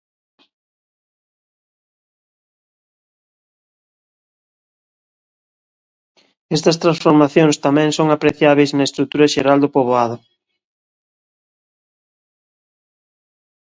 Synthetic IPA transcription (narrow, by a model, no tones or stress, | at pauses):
ɛst̪ɐst̪ɾãnsfoɾmaθjoŋst̪amɛ̃ŋsoŋapɾeθjaβejznɐest̪ɾut̪uɾɐʃeɾald̪ʊpoβ̞oaðʊ